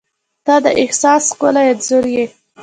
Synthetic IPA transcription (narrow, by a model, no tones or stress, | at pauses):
d̪̥ɑd̪əʔɪhsɑskolajad̪zoɾje